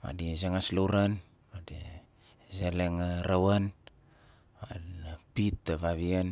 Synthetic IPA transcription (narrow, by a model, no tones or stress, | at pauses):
ma̰dizeŋaslowɾan | madi | zeleŋaɾawan | ma̰pitːaβaβian